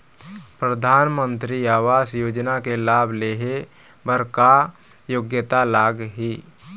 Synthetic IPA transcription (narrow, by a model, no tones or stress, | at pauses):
pɾəd̪ʱaːnmə̃nt̪ɾiaːʋaːsjoːd͡ʒnakelaːbʱleːɦe | bəɾka | joɡjət̪alaːɡɦiː